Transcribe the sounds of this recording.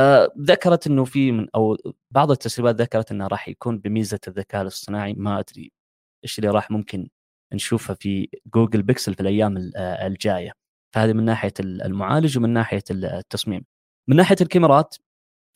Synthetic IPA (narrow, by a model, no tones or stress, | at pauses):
ðakːɑɾˤɑt̪ʔɪnːufimɪnʔaw | bɑʕðˤɪt̪ːasɾiːbaːt̪ðakːɑɾˤɑt̪ʔɪnːhaɾˤɑːħja̰kuːnbɪmiːzaðːakaːʔlɨsˤːɨnaːʕimaʔad̪ɾḭ | ʔeːʃlːiɾˤɑːħmʊmkɪn | nʃuːfhafiɡuːɡɪlbɪksɪlfilʔajːaːmɪɪld͡ʒaːja | fahaːðimɪnːaːħɪjaɪ̰lmʊʕa̰ːlɪd͡ʒwmɪnːaːħɪjat̪ːɑsˤmiːm | mːɪnːaːħɪjalkamɪɾˤɑːt̪